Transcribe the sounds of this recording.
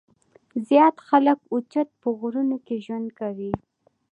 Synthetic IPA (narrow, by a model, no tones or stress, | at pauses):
zjɑt̪xaləkʊt͡ʃat̪̚pəɣɾunokeʒwand̪kawi